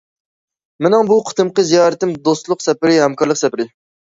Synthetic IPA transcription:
mɪnɪŋbuqʰʊ̥t̪ʰɨmqəzijɑːɾɨt̪ɪmd̪ost̪lˠʊqsɛpɪɾɪhɛmkɑɾlˠəqsɛpɪɾɪ

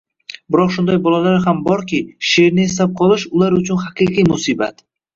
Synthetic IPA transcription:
bɪɾɒqʃʊnd̪ajbɒlˠalaɾɦambɒɾkʲɪʃeɾnɪːslap̚qʰɒlˠɪʃʊlaɾʊt͡ʃʰʊnhaqʰɨqʰɨjmʊsiba̰t̪

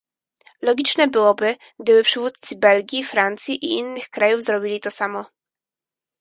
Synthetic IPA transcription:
lɔɡʲit͡ʂnɛbɘwɔbɘ | ɡ̚d̪ɘbɘpʂɘvut̪̚t̪sɘbɛlɡʲifɾant̪sʲjiʔiinːɘxkɾajuvzɾɔbʲilʲit̪ɔsamɔ

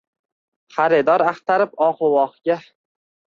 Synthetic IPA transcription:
χaɾɪd̪ɒɾaχt̪ʰaɾɪp̚ɒqʊwɒχɡʲa

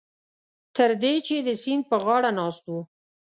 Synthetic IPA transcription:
t̪əɾd̪et͡ʃed̪əsin̚pəɣɑɽanɑst̪wu

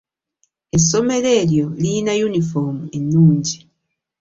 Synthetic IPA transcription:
e̞so̞me̞le̞ːljo̞linajunifomue̞nːuːɲɟi

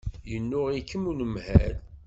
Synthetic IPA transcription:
jənːʊʁikːəmunəmhæ̰l

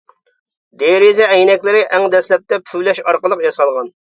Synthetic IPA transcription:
d̪eɾɪzɛɛjnɛkʲlɪɾɪʔɛŋd̪ɛslɛp̚t̪ɛpʰylɛʃɑɾqəlˠəqjɑsɑlˠʁɑn

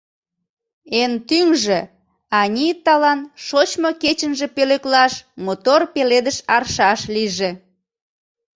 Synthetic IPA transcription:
ent̪yŋʒĕ | ɑnʲit̪ɑlɑnʃot͡ɕmoket͡ɕənʒepeleklɑʃmot̪orpeled̪əʃɑrʃɑʃliʒe

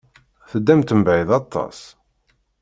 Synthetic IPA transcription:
θəd̪ːæmt̪əmbʕiðɑt̪ˤːɑ̰s

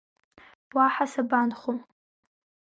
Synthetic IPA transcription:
b̥waħasabanχom

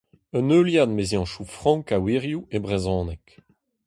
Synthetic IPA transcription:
œnøːljad̪mezjɑ̃ʃufʁɑ̃ŋkawiːʁjuebʁezɔ̃ːnɛk

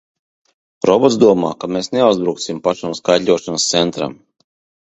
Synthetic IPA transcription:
ɾɔbɔt̪zd̪uɔma̰ːkameːsneawzbɾuːk̪simpaʃamskajt̪lʲuɔʃanst̪sɛnt̪ɾa̰m

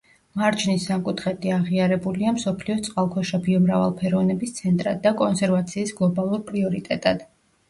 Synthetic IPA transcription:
maɾt͡ʃʰnisːamkʼut̪ʰχɛd̪iaʁiaɾɛbuliamsɔpʰliɔt̪sʼqʼalˠkʰɔʃabiɔmɾava̰lˠpʰɛɾɔvnɛbist̪sʰɛnt̪ʼɾad̪̚ːakʼɔnsɛɾvat̪sʰiːsɡlˠɔbalˠuɾpʼɾiɔɾit̪ʼɛt̪ʼad̪̥

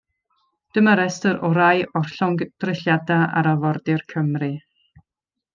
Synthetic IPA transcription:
d̥əmaɾɛstəɾɔɾajɔrɬɔŋɡd̥rɪɬjadaa̰ɾavɔrdɪrkʰəmrɨ

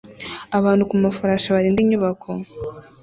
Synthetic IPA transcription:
aβaːndukumafaɾaːʃaβaɾiːndiɲuβakʰo

